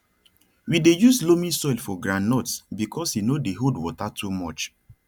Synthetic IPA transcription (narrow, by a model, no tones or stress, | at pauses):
widejuslomĩsɔilfɔɡɹãnnɔtsbikʰɔshinodeɦodwɔtatʰumɔt͡ʃ